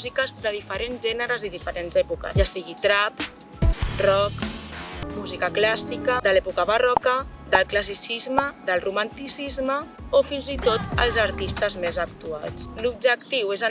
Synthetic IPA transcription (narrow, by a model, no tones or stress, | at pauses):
zikəst̪ɾəðifəɾenzʒɛnəɾəziðifəɾenzɛpukə̰ʒasiɣit̪ɾap | rɔk | muzikəklasikəd̪əlɛpukəβərɔkəd̪əlˠkləs̬isizməd̪əlˠrumant̪isizməofinzit̪ot̪ə̰lˠzəɾt̪ist̪əzmezəkt̪ualt͡slub̚ʒəkt̪iwezə